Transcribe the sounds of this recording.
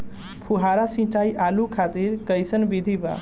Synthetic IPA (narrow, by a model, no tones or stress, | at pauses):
pʰuɦaɾasĩt͡ʃajʔalukʰat̪iɾkəjsənbid̪ʱiba̰